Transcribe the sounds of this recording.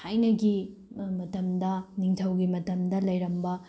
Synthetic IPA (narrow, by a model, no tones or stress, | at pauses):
hajnɐɡi | mɐtɐmdɐniŋtʰɐwɡimɐtɐmdɐlɐjɾɐmbɐ